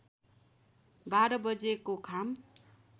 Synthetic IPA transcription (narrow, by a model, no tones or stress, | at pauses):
baɾʌbʌd͡zekokʰam